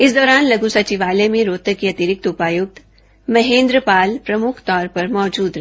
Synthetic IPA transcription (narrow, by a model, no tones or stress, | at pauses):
ɪsd̪ɔːɾaːnlɐɡusɐt͡ʃiʋaːlemẽɾoːt̪əkiɐt̪ɪɾɪk̚t̪ʊpaːjʊk̚t̪ | mɐɦẽːnd̪ɾəpaːlpɾɐmʊkʰt̪ɔːɾpɐɾmɔːd͡ʒuːd̪ɾ